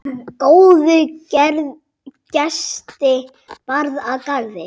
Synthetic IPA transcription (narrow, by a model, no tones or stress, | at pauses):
koːwðʏcɛɾð | cɛst̪ɪ | paɾðakaɾðɪ